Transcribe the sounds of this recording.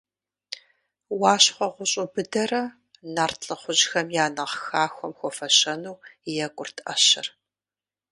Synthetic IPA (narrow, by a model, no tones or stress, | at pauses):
wɑːɕχʷɔʁʷʊɕʼʊbɨdɐrɐ | naːrtʰɬʼɨχʷʊʑxɐmjaːnɐʁxaːxʷɔmxʷɔfɐɕɐnuːjɛkʷʼʊrtʰʔɐɕɪ̰r